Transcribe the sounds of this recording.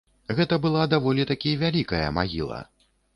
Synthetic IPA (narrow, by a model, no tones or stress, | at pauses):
ɣɛt̪ɐbɨlˠad̪avɔlʲit̪akʲijvʲalʲikɐjɐ̰ma̰ɣʲḭlˠɐ̰